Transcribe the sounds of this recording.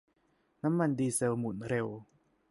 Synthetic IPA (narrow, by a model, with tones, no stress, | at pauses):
na˦˥mːa˧ndiː˧se˧wmu˨˩˦nɾe˧w